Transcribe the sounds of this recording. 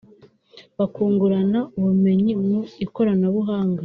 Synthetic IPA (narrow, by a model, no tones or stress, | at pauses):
βakuːŋɡuɾanauβume̞ɲimuiko̞ɾanaβuɦaːŋɡa